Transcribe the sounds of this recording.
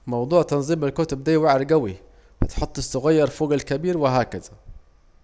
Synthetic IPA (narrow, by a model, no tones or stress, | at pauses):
mɑwd̪ˤuːʕt̪ɑnzˤiːmalkʊːt̪ʊb̚d̪iːwaʕɾɡawi | wɪt̪ħʊt̪ˤːɪsːʊɣajːɑɾˤfoːɡalkabiːɾwɪɦaːkɪða